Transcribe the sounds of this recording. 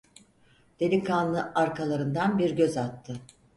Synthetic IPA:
d̪̥elʲikʰanlːˠɯʔaɾkʰalˠaɾɯnd̪anbiɾɟøzat̪ʰːɯ

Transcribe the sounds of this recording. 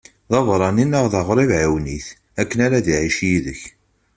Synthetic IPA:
ðɑvɾˤɑninəʁðəʁɾˤivʕawniθ | ækːənaɾæðiʕiʃjiðəç

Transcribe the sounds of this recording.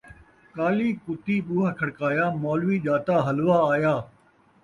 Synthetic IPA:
kaːliːkʊt̪iːɓuːɦakʰəɽkaːjaːmoːlʋiːʄaːt̪aːɦəlʋaːaːjaː

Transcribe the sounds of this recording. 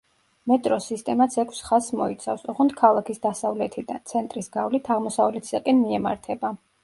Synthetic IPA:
mɛt̪ʼɾɔsist̪ʼɛmat̪sʰɛkʷʰsχasmɔit̪sʰafsɔʁɔnd̪kʰalˠakʰisd̪asavlɛt̪ʰid̪a̰nt̪sʰɛnt̪ʼɾisɡavlit̪ʰaʁmɔsavlɛt̪ʰi̥sakʼɛnmiɛma̰ɾt̪ʰɛba

